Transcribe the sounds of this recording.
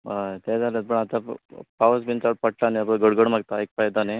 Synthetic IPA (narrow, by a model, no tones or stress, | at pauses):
at̪ɛd͡zʱalət̪̚pəɳat̪apaʋəs̬bint͡saɽpəʈlaneaplaɡəɽɡəɽm̤aɡ̚t̪aek̚fajd̪ane